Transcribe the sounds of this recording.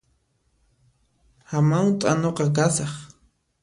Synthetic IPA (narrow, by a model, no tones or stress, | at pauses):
hamawt̪ʼanoqɑk̬asɑχ